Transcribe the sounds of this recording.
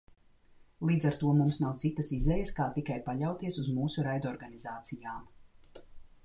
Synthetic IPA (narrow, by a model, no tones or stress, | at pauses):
lˠiːd̪zaɾt̪uɔmumsnawt̪sit̪ɐsizɛjəskaːt̪ikajpaʎʲawt̪iɛsuzmuːsuɾajd̪ɔːɾɡanizaːt̪sijaːm